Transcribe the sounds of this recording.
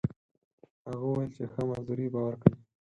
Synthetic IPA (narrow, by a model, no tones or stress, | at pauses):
haɣawajəlt͡ʃexəmazd̪uɾibɑwaɾkəwi